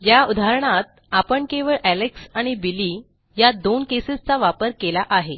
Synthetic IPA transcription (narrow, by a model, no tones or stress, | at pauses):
jaud̪ʱaɾɳ̃at̪̚ | apəɳkeʋəɭʔæleksaɽ̃ibiliː | jad̪onkesist͡saʋapəɾkelaʔaɦe